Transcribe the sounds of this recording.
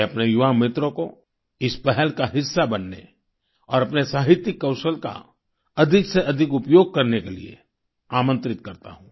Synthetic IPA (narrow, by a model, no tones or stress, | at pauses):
ɐpnejʊʋamɪt̪ɾõko̰ | ɪspɛɦɛlkaɦɪsːabɐnːḛ | ɔːɾɐpnesaːɦɪt̪jɪkːɐʊsəlka̰ | ɐd̪ʱɪkseʔɐd̪ʱɪkʊpjoːɡ̚kɐɾnekelḭḛ | aːmə̃nt̪ɾɪt̪̚kɐɾt̪a̰ɦũː